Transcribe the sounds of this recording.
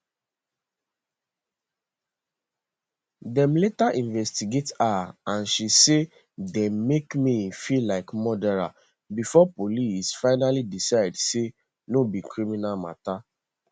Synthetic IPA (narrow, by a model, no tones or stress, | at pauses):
dɛ̃mletaʔĩnvɛstiɡetaãnʃise | dɛ̃mːekmifilaɪkmɔdɛɹa̰ | bifɔpolisfaɪnalidisaɪdse | nobikɹiminalma̰ta